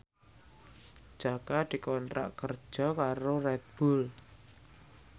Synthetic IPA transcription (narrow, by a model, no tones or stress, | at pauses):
d͡ʒ̥akad̪̥i̤kɔnt̪ɾa̰ʔkər̥d͡ʒ̥ɔkaɾorɛt̪̚b̥ʊl